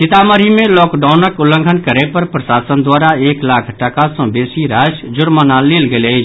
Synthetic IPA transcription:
t͡ʃɪt̪aməɾimẽlɔːkɖaʊnəkʊlə̃ŋɡʱənkəɾepəɾpɾəsaːsənd̪waːɾaeːklaːkʰʈəkasə̃beːsiɾasd͡ʒʊɾmənaleːlɡele

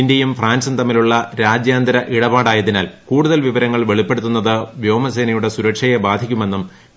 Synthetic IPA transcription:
indjɐjumfraːnsɐnt̪ɐmːiluɭːɐɾaːd͡ʑjaːnd̪ɐɾɐʔiɽɐbaːɽaːjɐðinaːlkuːɽuðɐlʋiʋɐɾɐŋːɐɭʋe̞ɭipːe̞ɽut̪ːunːɐðɨʋjo̞ːmɐse̞ːnɐjuɽe̞suɾɐkʂɐjebaːd̪ʱikʲːume̞nːum

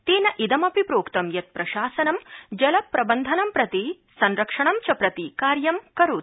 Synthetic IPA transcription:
t̪eːnɐʔid̪ɐmɐpipɾoːkt̪ɐmjɐt̪̚pɾɐʃaːsɐnɐmd͡ʒɐlɐpːɾɐbɐnd̪ʱɐnɐmpɾɐt̪i | sɐnɾɐkʂɐɳɐmt͡ʃɐpɾɐt̪ikaːɾjɐmkɐɾut̪̚

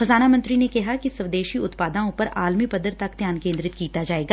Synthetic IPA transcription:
xɐzaːnamɐ̃nt̪ɾinekɛɦakisɐʋd̪eːʃiʊt̪paːd̪ãõpɐɾʔaːlmipɐd̪əɾt̪ɐkd̪ʱjaːnkẽːnd̪ɾɪt̪kiːt̪ad͡ʒaːeːɡaː

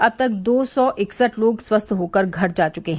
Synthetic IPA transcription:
ɐb̚t̪ɐk̚d̪oːsɔːʔɪksəʈloːɡswəst̪ʰɦoːkəɾɡʱɐɾd͡ʒaːt͡ʃʊkeɦɛ̃

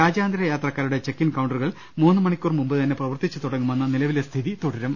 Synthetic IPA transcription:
ɾaːd͡ʑaːnd̪ɐɾɐjaːt̪rɐkːaːɾuɽe̞t͡ɕe̞kːinkɐwɳɖɐruɣɐɭ | muːnːɨmɐɳikʲːurmumbɨt̪ɐnːe̞prɐʋɐrt̪it͡ɕːɨt̪uɽɐŋːume̞nːɐnilɐʋilest̪ʰiðit̪uɽɐɾɐm

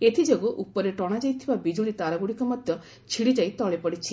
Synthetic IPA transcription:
et̪ʰid͡ʒoɡuʔupɔɾeʈɔɽ̃ad͡ʒajt̪ʰibabid͡ʒuɭit̪aɾaɡuɽikɔmɔd̪ʱjɔ | t͡ʃʰiɽid͡ʒajt̪ɔɭepɔɽit͡ʃʰi

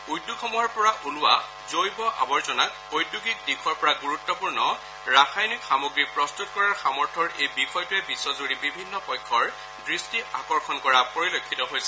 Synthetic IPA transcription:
ujdukʰɔmɔɔɹpɔɹaʔulʊwa̰ | zojbɔʔa̰bɔɹzɔnak̚ | ojduɡik̚dikʰɔɹpɔɹaɡuɹutːɔpuɹnɔ | ɹaxajnikxamoɡɹipɹɔstutkɔɹaɹxamɔɹtʰɔɹejbixɔjtʊɛbisɔzuɹibibʱinːɔpɔjkʰːɔɹ | dɹistiʔakɔɹxʰɔnkɔɹapoɹilokʰːitɔɦojsɛ

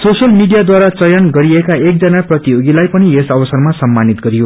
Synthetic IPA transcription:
sosjʌlmiɖijad̪waɾat͡sʌjʌnɡʌɾiekaek̚d͡zʌnaprʌt̪ioɡilajpʌniesʌbʌsʌrmasʌmːanit̪ɡʌɾijo

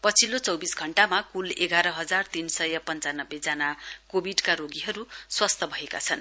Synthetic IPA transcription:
pʌt͡sʰilot͡sʌwbisɡʱʌɳʈamakuleɡaɾʌɦʌd͡zart̪insʌjʌpʌnt͡sanʌbːed͡zanakobʱiɖkaɾoɡiɦʌɾuswast̪ʰʌbʱʌeka̰t͡sʰʌn

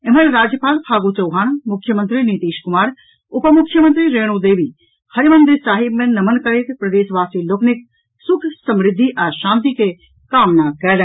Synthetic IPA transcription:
ɪmənɾaːd͡ʒjəpaːlpʰaːɡut͡ʃɐwɦaːnmʊkʰːjəmə̃nt̪ɾinit̪iːʃkʊmaːɾ | ʊpəmʊkʰːjəmə̃nt̪ɾiɾeːɽ̃ud̪eːʋi | hɐɾimɐ̃nd̪ɾɪsaːɦɪbmẽnɐmənkɐɾet̪pɾɐd̪eːʃʋaːsiloːknɪk̚ | sʊkʰsɐmɾɪd̪ʱːiʔaːʃãːnt̪̬ike | kaːmnakɛːlɛ̃

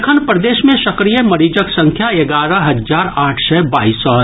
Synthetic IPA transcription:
kʰənpɾəd̪eːʃmẽsɐkɾijəmɐɾiːd͡ʒəksɐ̃ŋkʰjaeɡaːɾəɦɐzaːɾaːʈʰsɛbaːiːsːɔ

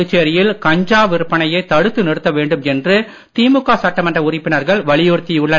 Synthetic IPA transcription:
ɯt͡ʃːeɾɪjɪlkɐɲd͡ʒaːʋɪɾɯpːɐɳɐjɐɪt̪ːɐɽɯt̪ːɯnɪɽɯt̪ːɐʋeːɳɖɯmɛndrɯ | t̪iːmɯkːaːsɐʈːɐmɐndrɐʊrɪpːɪnɐɾɣɐɭʋɐɭɪjuːɾt̪ːɪjʊɭːɐ

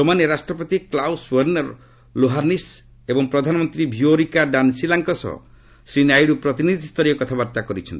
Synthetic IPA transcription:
t̪omaneɾasʈɾɔpɔt̪iklawswəɾnɔɾ | loɦanis | ebɔŋpɾɔd̪ʱanɔmɔnt̪ɾibʱioɾikaɖansilaŋkɔsɔ̰ | sɾinajɽupɾɔt̪inid̪ʱist̪ʰɔɾiɔkɔt̪ʰabaɾt̪akɔɾit͡ʃʰɔnt̪i̥

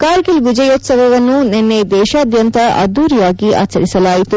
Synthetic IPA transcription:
kaːɾɡilʋid͡ʒɐjoːt̪sɐʋɐʋɐnːunenːed̪ɛːʃaːɐd̪ʱjɐnt̪ɐʔɐ̰d̪uːɾijaːɡiʔa̰ːt͡ʃɐɾisɐlaːjit̪u

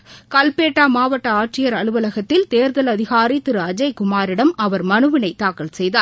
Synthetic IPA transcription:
kɐlpeːʈːaːmaːʋɐʈːɐaːʈrɪjɐɾɐɭɯʋɐlɐɣɐt̪ːɪlt̪eːɾðɐlɐðɪɣaːɾit̪ɪɾɯɐd͡ʒɐɪkʊmaːɾɪɽɐmɐʋɐɾmɐnɯʋɪnɐɪt̪ːaːkɐlsɛjðaː

